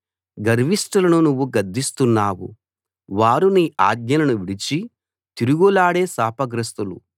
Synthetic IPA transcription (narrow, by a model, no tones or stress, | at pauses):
ɡɐɾʋiʂʈɐlɐnunuʋːuɡɐd̪ːist̪unːaːwṵ | ʋaːɾuniaːɡɲɐlɐnuʋiɽit͡ʃi | t̪iɾuɡulaːɽe̞ːsaːpɐɡɾɐst̪ulu